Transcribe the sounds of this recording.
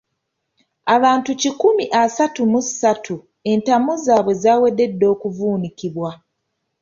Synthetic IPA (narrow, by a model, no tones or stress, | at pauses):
aβaːntucikumiʔasatumusatʰu | e̞ntamuzaːβwe̞zaːwe̞dːe̞dːo̞ːkuvuːnikiβwa